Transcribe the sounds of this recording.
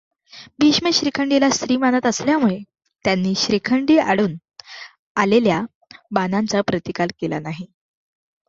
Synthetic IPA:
biɕməɕɾikʰəɳɖilast̪ɾiːmanət̪əsljamuɭe | t̪janːiːɕɾikʰəɳɖiːa̰ɽuːn | alelja | banant͡sapɾət̪ikalkela̰naɦi

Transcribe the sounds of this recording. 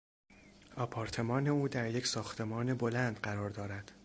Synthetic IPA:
ɒːpʰɒːɾt̪ʰe̞mɒːne̞uːd̪æɾje̞csɒːxt̪ʰe̞mɒːnebo̞lænd̪ɢæɾɒːɾd̪ɒːɾæd̪̥

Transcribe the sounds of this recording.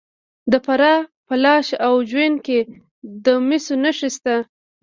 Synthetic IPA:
d̪əpaɾɑpəlɑʃawʒwanke | d̪əmisonaʃist̪a

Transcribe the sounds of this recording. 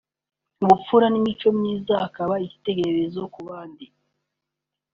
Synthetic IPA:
uβup͡fuɾanimit͡ʃo̞mɲiːzaakaβaici̥te̞ɡe̞ɾezo̞kuβaːndi

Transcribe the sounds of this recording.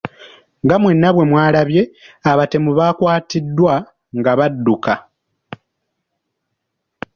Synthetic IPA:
ŋɡamwe̞nːaβwe̞mwaːlaβje̞aβate̞muβakwaːtidːwa | ŋɡaβadːuka

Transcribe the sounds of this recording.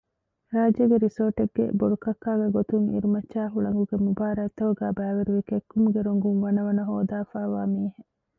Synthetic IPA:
ɾaːd͡ʒɐɡeɾisoːʈeɡːḛboɽukɐkːaːɡeɡot̪uŋḭɾumɐt͡ʃːaːɦuɭɐŋɡuɡemubaːɾɐt̪ːɐʋuɡæːbæːʋeɾuʋekekːumuɡeɾoŋɡuŋʋɐnɐʋɐnɐɦoːd̪aːfaːʋaːmiːɦe

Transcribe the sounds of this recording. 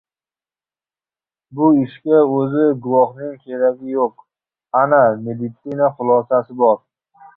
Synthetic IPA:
bʊɪʃkʲaɵzɪɡʊwɒχnɪŋkʲʰeɾaɡʲɪjoq̚ | aname̞d̪ɪt̪sɪnaχʊlˠɒsasɪbɒɾ

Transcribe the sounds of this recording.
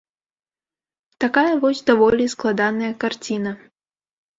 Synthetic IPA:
t̪akajɐvɔsʲd̪avɔlʲisklˠad̪anɐjɐkart͡sʲinɐ

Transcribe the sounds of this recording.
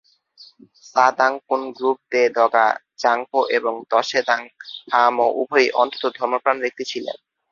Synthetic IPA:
sad̪aŋkunɡɾup̚t̪ed̪ʱɔɡa̰ | t͡ɕaŋkoʔeboŋd̪ɔʃed̪aŋpʰamoʔubʱojʔɔnt̪o̥t̪od̪ʱɔɾmopɾanbek̚t̪it͡ɕʰilḛn

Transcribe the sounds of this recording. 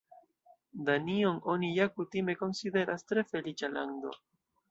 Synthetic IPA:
d̪aniono̞nijakutime̞ko̞nsid̪e̞ɾastɾe̞fe̞lit͡ʃala̰nd̪o̞̰

